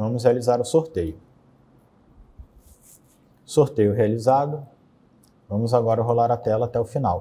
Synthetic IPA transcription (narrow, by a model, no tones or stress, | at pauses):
vɐ̃mʊsɦealizaɾʊsoɾt̪ejʊ | soɾt̪ejʊɦealizad̪ʊ | vɐ̃mʊzaɡɔɾɐɦolaɾat̪ɛlɐat̪ɛʊfinaw